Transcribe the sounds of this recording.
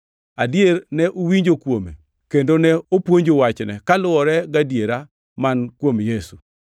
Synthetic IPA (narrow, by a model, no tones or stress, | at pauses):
adjernɛʔowiɲd͡ʒokwomḛ | kendonɛopwoɲd͡ʒowat͡ʃnɛ̰kalʊɔɾɛɡadjeɾa | mankwomjesu